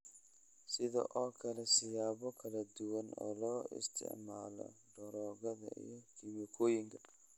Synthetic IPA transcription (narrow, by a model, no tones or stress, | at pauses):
sɪðɔ̰ʔɔːkʰɐlɛsɪjaːβɔkʰɐlɐd̪ʊwɐnɔ̰ːlɔːʔɪ̰st̪ʰɪ̰ʕma̰ːlɔ̰ɖɔɾɔːɣɐðɐ̰ʔḭjɔkʰɪβjɔkʰɔːjɪŋkʰɐ̥